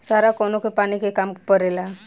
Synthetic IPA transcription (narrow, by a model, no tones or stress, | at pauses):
saɾakonokepanikekampəɾela